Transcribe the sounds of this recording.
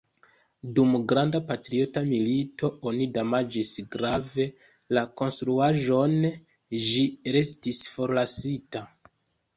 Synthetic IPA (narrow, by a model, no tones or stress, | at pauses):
dumɡɾandapatɾio̞tamilito̞o̞nidamad͡ʒisɡɾave̞ | lako̞nstɾuaʒo̞n | ʒiɾe̞stisfo̞ɾlasita